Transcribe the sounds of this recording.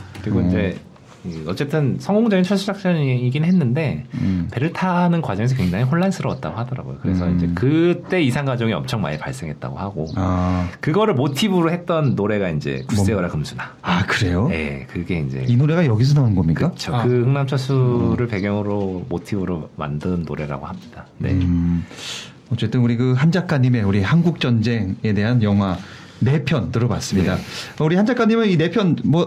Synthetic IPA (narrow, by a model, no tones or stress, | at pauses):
kkɯɾiɡoind͡ʑe̞ | ɯʌt͡ɕ͈e̞t͈ʰɯnsʰʌŋɡoŋd͡ʑʌɡint͡ɕʰʌɭɕ͈ʰiak̚t͡ɕ͈ʌiɡinɦenːɯnde̞pe̞ɾɯɭtʰanɯnkwad͡ʑʌŋe̞s̬ʰʌkwe̞ŋd͡ʑaŋiɦoɭːansʰɯɾʌ̰t̚t͈a̰ɡohadʌɾa̰ɡo̰jo̰kɯɾe̞sʰʌind͡ʑe̞kɯt͈e̞isʰaŋɡwad͡ʑʌŋiʌ̰mt͡ɕʰʌŋma̰ɲipa̰ɭs͈e̞ŋɦe̞t̚t͈a̰ɡo̰haɡo | kɯɡʌɾɯɭmotʰibɯɾohe̞t̚t͈ʌnːoɾe̞ɡaind͡ʑe̞̰kus͈e̞ɡʌɾakɯmsʰuna | akɯɾe̞joje̞̰kɯɡe̞ind͡ʑe̞̰inoɾe̞ɡajʌɡis̬ʰʌnanɯnɡʌmɲikɯat͡ɕʰokɯhɯŋnamt͡ɕʰasʰuɾɯɭpe̞ɡjʌŋɯɾomotʰibɯɾoma̰ndɯnːoɾe̞ɾa̰ɡohamɲid̥anḛ | ʌt͡ɕ͈e̞t͈ɯnuɾikɯɦand͡ʑak͈aɲime̞uɾihanɡuk̚t͡ɕ͈ʌnd͡ʑe̞ŋe̞de̞ɦanjʌŋɦwa | ne̞pʰjʌntɯɾʌbas͈ɯmɲidaʌuɾihand͡ʑak͈aɲːimeine̞pʰjʌnmʌ